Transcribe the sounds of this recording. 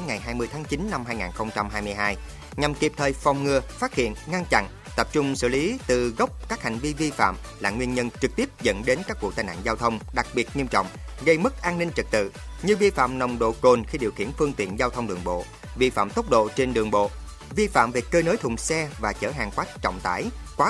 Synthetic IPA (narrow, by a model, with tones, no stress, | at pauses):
ŋa˨˩jɦaː˧jmɨ˧əjt̪ʰaː˨˦ŋt͡ɕi˨˦nːa˧mhaː˧jŋaː˨˩nxə˧wŋ͡mt͡ɕa˧mɦaː˧jmɨ˧əjɦaː˧j | ɲa˨˩mki˨˩əp̚t̪ʰəː˨˩jfa˨˩wŋ͡mŋɨ˨˩əfaː˦˥t̚hḭ˧˨ənŋa˧nt͡ɕa̰˧˨n | t̪ə˦˥p̚t͡ɕʊ˧ŋ͡msɨ̰˧˨li˨˦t̪ɨ˨˩ɣə˦˥wk͡p̚kaː˦˥k̚ha˨˩jŋ̟vi˧vi˧fa̰ː˧˨m | laː˨˩ŋwi˧ənɲə˧nt͡ɕɨ˨˩k̚t̪i˦˥əp̚zə̰˧˥nɗe˨˦nkaː˦˥k̚vṵ˧˩t̪aː˨˩na̰ː˧˨nzaː˧wt̪ʰə˧wŋ͡mɗa˨˩k̚ɓi˨˩ət̚ɲi˧əmt͡ɕɔ̰˧˨wŋ͡mɣə˧jmə˦˥k̚ʔaː˧nːi˧ŋ̟t͡ɕɨ˨˩k̚t̪ɨ̰˧˨ɲɨ˧vi˧fa̰ː˧˨mnə˨˩wŋ͡mɗo̰˧˨ko˨˩nxi˧ɗi˨˩əwxḭ˧˩ənfɨ˧əŋt̪ḭ˧˨ənzaː˧wt̪ʰə˧wŋ͡mɗɨ˨˩əŋɓo̰˧˨ | vi˧fa̰ː˧˨mt̪oə˦˥k͡p̚ɗo̰˧˨t͡ɕe˧nɗɨ˨˩əŋɓo̰˧˨ | vi˧fa̰ː˧˨mve˨˩kːəː˧no˨˦jt̪ʰʊ˨˩ŋ͡msɛ˧vaː˨˩t͡ɕəː˧˩ɦaː˨˩ŋkwaː˦˥t̚t͡ɕɔ̰˧˨wŋ͡mt̪a̰ː˧˩jkwaː˨˦